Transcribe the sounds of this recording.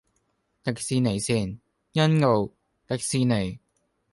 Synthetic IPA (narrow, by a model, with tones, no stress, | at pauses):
t̪ɐ˨k̚siː˧ne˨˩jsiː˥˩n | jɐ˥nŋo˨˧w | t̪ɐ˨k̚siː˧ne˨˩